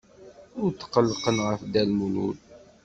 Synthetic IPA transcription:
ʊɾt̪ːqəlːqənʁəfd̪ælmunṵl

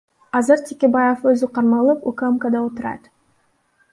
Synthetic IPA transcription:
ɑzɨɾtʲekʲebajeføzyqʰɑɾmɑlˠɯpukamkad̪ɑot̪ʊɾɑ̰t̪

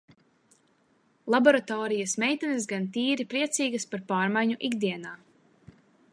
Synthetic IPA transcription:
lˠabɔɾat̪ɔːɾijasmɛjt̪anɐs̬ɡant̪iːɾipɾiɛt̪siːɡɐspaɾpaːɾmajɲuʔiɡd̪iɛnaː

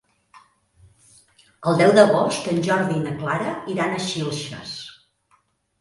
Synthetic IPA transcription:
əlˠd̪ɛwðəɣost̪ənʲʒɔɾðinəklaɾəiɾanəʃilˠʃə̰s

